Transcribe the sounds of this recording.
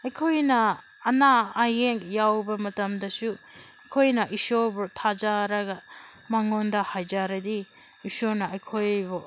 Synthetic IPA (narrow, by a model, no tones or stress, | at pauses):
ɐjkʰojnɐː | naːjeŋjawbɐmɐtɐmdɐsu | ɐjkʰojnɐʔisoɾbutʰad͡ʒaɾɐɡɐ | maŋondɐhajd͡ʒaɾɐdi | isoɾnɐɐjkʰojbu